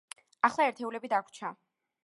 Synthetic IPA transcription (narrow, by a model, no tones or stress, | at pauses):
aχlˠaɛɾt̪ʰɛulɛbid̪akʰʷt͡ʃʰa